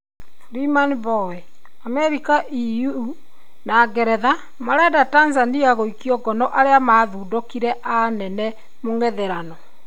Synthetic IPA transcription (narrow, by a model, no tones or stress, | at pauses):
ɾimanbɔwɛ | amɛɾikaʔiju | naɡɛɾɛða | maɾɛdatanzaniaɣoikiɔɡɔnɔʔaɾeamaðuːdokiɾɛʔanɛnɛ | moŋɛðeɾanɔ